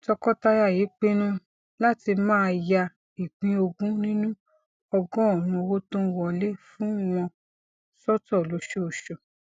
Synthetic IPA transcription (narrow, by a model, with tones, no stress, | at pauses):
tɔ˧kɔ˦ta˧ja˦˨je˨˦k͡pe˦nũ˦ | la˦ti˧mãː˦˧ja˧ | i˨ɡ͡bĩ˧o˧ɡũ˦nĩ˦nũ˦ | ɔ˧ɡɔ̃˦ɔ˦˨nũ˧wo˦tõ˦wɔ̃˨le˦fũ˨˦w̃ɔ̃˧ | sɔ˦tɔ˦˨lo˨˦ʃo˦o˨ʃo˨